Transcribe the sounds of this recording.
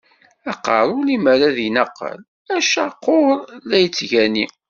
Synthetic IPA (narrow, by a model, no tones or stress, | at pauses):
ɑqɑ̰ɾˤʊliməɾaðinɑqːə̰l | æʃæqːoɾˤlæjət͡sːʝæni